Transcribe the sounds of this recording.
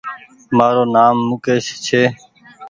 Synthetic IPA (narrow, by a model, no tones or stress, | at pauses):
maːɾoːnaːmːuːkeːʃt͡ʃʰeː